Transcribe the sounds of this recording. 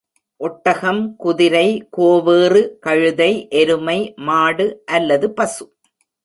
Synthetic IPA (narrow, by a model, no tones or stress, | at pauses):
ʔɔʈːɐɣɐmkʊðɪɾɐɪkoːʋeːrɯkɐɻɯðɐɪʔɛɾɯmɐɪmaːɽɯʔɐlːɐðɯpɐsɯ